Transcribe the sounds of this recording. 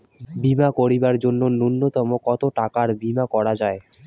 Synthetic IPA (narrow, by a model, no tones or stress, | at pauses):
bimakoɾibaɾd͡ʑonːonunːot̪ɔmokɔt̪oʈakaɾbimakɔɾad͡ʑae